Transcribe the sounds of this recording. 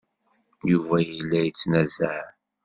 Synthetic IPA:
juvæjəlːæjət͡sːnæzəʕ

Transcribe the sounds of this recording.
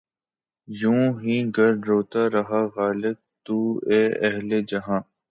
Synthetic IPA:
jũːɦĩːɡɐɾɾoːt̪aɾɐɦaɣaːlɪɡ̚t̪uːeːɛɦled͡ʒɐɦãː

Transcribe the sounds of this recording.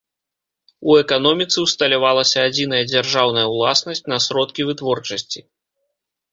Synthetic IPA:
uɛkanɔmʲit̪sɨwst̪ɐlʲavalˠɐsʲɐːd͡zʲinɐjɐd͡zʲarʐawnɐjɐwlˠasnɐsʲt͡sʲnɐsɾɔt̪kʲivɨt̪vɔrt͡ʂɐsʲt͡sʲi

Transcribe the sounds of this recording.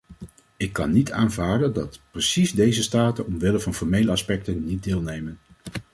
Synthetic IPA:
ɪkːɑ̰nːitʰaːnvaːɹdəndɑtprəsizdejzəstaːtənɔmʋɪləvɑnfɔɹmejləɑspɛk̚tənːit̚dɪːlˠnejmən

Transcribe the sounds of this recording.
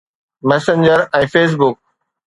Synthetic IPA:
mɛːsə̃ɲd͡ʑəɾɛ̃ːfeːs̬bʊk̚

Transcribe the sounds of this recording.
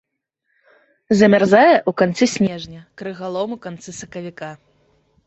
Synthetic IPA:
zɐmʲarzajɛʔukant̪sɨsʲnʲɛʐnʲɐkɾɨɣalˠɔmukant̪sɨsɐkɐvʲika

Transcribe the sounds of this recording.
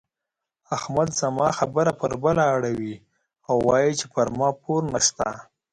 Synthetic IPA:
axmad̪zamɑxabəɾapəɾbalaːɽawi | awːɑjit͡ʃepəɾmɑpoɾnaʃt̪a

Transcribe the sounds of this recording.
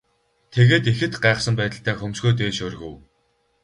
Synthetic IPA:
t̪ʰeɣeːt̪ixɘ̆t̪ɢaːχsə̆mpæːt̪ə̆ɬt̪ʰæːxɵmsɡoːjt̪̬eːʃɵrɣɘ̆w

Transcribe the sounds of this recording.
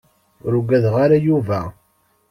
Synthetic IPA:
ɾuɡæðʁaɾajuvæ

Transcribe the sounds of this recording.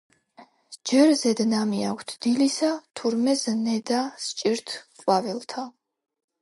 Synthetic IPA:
d͡ʒɛɾzɛd̪namiakʷʰt̪ʰd̪̥ilisat̪ʰuɾmɛznɛd̪ast͡ʃʼiɾt̪ʰkʼwavɛlˠt̪ʰa

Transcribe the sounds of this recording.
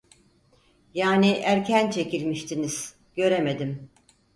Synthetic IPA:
jaːniʔæɾcʰænt͡ʃʰe̞cilʲmiʃt̪ʰiniz̥ | ɟ̥ø̞ɾe̞me̞d̪im

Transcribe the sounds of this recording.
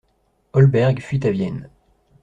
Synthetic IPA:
ɔlbɛʁɡfɥit̪avjɛn

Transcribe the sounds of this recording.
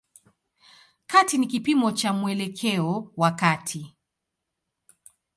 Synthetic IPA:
katinikipimɔt͡ʃamuɛlɛkʰɛɔwakatʰi

